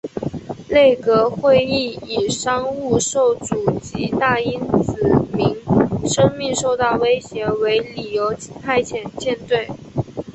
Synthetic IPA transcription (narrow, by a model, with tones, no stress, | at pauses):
le˥˩ɪkɤ˧˥xwe˥˧ɪi˥˩i˨˩ʂɑ˥ŋu˥˧ʂo˥˩ʊt͡su˨˩t͡ɕi˧˥t̪a˥˩i˥nt͡sɹ̩˨˩mi˧˥ŋʂɤ˥ŋmi˥˧ŋʂo˥˧ʊt̪ɑ˥˩ʊwe˥ɪɕjɛ˧˥we˧˥ɪli˨˩jo˧˥ʊt͡ɕi˨˥pʰa˥˩ɪt͡ɕʰjɛ˨˩nt͡ɕjɛ˥˧nt̪we˥˩ɪ